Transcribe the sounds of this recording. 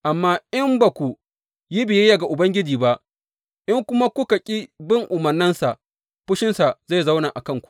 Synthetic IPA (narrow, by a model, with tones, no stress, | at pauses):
ʔa˨mːaː˦ʔɪ˦mba˨kʷu˨ | ji˦bɪ˨jɛ˦ja˨ɡa˨ʔʊ˨bɐ˦ŋɡʲɪ˦d͡ʒiː˨ba˦ʔ | ʔɪ˦ŋkʷʊ˦ma˦kʷʊ˦ka˨kʲʼi˦bɪ˦ŋʔʊ˨mɐ˨rnːɪ˦nsa˨ʔ | ɸʊ˦ʃɪ˦nsa˨za˦˨za˦wnaː˨ʔa˨kɐ˦˨ŋkʷu̥˨